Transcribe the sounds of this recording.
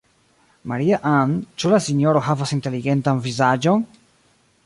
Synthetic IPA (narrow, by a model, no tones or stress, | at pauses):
ma̰ɾiaʔant͡ʃulasinjo̞ɾo̞ɦavasinte̞liɡe̞ntanvizad͡ʒo̞n